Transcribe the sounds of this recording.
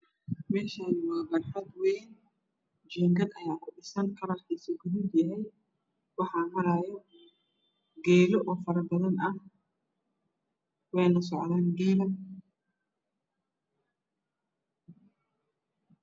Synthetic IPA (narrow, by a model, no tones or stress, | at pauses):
mɛːʃaːðɪwaːbɐħɐd̪wɛjn | d͡ʒɛːŋɡɐd̪ɐjaːkʰʊɖɪsɐnkʰɐɾɐrkʰiːsɐɡʊðub̪jɐɦɛj | wɑħɑːmɐɾajɔ | ɡɛːɾɔʔɔːfɐɾɐbɐðɐnɐh | wɛjnɐs̬ɔʕðaːnɡɛːlɐ